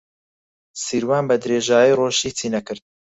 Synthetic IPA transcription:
siːɾwaːnbɐd̪ɾeːʒaːjiːroːʃit͡sʰiːnɐkɨɾd̪̚

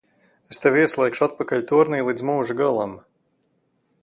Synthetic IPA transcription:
est̪ɛviɛslˠɛːkʃuat̪̚pakalʲt̪uɔɾniːlˠiːd̪zmuːʒuɡalˠam

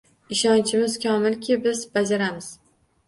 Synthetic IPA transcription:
ɪʃɒnt͡ʃʰɪmɪz̥kʲʰɒmɪlkʲʰɪbɪzbad͡ʒaɾamɪz̥

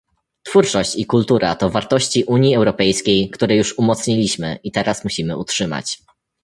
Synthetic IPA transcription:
t̪fuɾt͡ʂɔɕt͡ɕikult̪uɾa̰t̪ɔvaɾt̪ɔɕt͡ɕiʔuɲiɛwɾɔpɛjskʲejkt̪uɾɛjuʂumɔt̪sɲilʲiɕmɘ̰ʔit̪ɛɾasmuɕimɘutʂɘma̰t͡ɕ

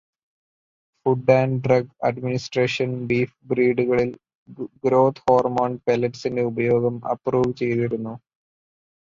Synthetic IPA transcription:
fuɖaːnɖrɐɡɐ̰ɖminisʈreːʂɐnbiːfbɾiːɖuɣɐɭil | ɡɾo̞ːt̪ʰhoːrmoːɳɖpelɐʈsinde̞ubɐjo̞ːɡɐmɐ̰pːruːʋt͡ɕe̞jðiɾunːu

